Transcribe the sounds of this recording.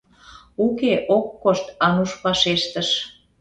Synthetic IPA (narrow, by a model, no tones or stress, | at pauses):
ukeʔokːoʃt̪ɑnuʃpɑʃeʃt̪əʃ